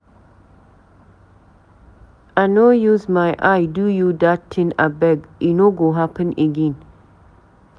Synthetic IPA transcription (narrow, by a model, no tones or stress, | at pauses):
anojuzmajʔajdujudatʰɪ̃nabɛɡinoɡoɦapə̃nəɡẽn